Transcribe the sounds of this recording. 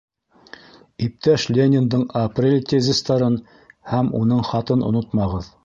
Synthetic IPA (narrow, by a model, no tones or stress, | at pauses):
ip̚t̪æʃlʲenʲɪnd̪ɤɴɐprʲelʲt̪ʲezʲist̪ɑɾɤn | hæmṵnɤɴχɑt̪ɤnŏ̰not̪mɑʁɤð